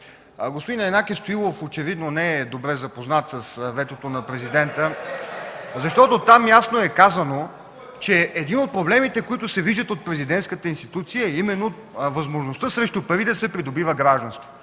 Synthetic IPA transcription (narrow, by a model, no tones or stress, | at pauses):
ɡospod̪inɛnakist̪oilˠofot͡ʃɛvid̪nonɛɛd̪obɾɛzɐpoznat̪səsvɛt̪ot̪onɐpɾɛzid̪ɛnt̪ə | zɐʃt̪ɔt̪ot̪amjasnoɛkazəno | t͡ʃɛːd̪inot̪̚pɾoblɛmit̪ɛkoit̪ʊsɛviʒd̪ət̪ot̪̚pɾɛzid̪ɛnt̪skət̪əinst̪it̪ut̪sijəɛimɛnːot̪ | vɐzmoʒnost̪əsɾɛʃt̪upɐɾid̪ɐsɛpɾid̪obivəɡɾaʒd̪ənst̪vo̥